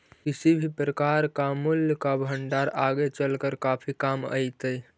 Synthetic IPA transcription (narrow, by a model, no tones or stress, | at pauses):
kisibʱipɾəkaɾkamʊljkabʱəɳɖaɾaɡet͡ʃəlkəɾkapʰikamə̰ɪt̪əj